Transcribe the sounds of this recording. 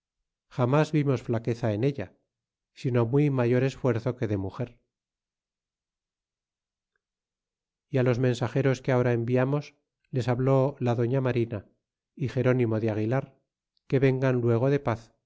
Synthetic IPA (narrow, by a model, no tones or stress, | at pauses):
xamazβimo̞sflake̞θae̞ne̞ʎa̰ | sino̞mwimaʝo̞ɾe̞sfwe̞ɾθo̞ke̞ðe̞muxe̞ɾ | ialo̞zmẽ̞nsaxe̞ɾo̞skeao̞ɾae̞mbiamo̞s | le̞saβlo̞laðo̞ɲamaɾina | ixe̞ɾo̞nimo̞ðeaɣ̞ilaɾ | ke̞βe̞ŋɡanlwe̞ɣ̞o̞ðe̞paθ